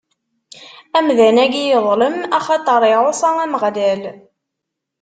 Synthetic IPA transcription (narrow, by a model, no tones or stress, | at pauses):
æmðænæɡijəðˤləmæχɑt̪ˤəɾˤɪosˤɑŋæməʁlæl